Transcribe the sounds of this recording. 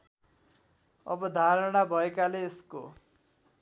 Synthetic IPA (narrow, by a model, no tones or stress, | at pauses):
ʌ̰bʌd̪ʱaɾʌɽ̃abʱʌekaleːsko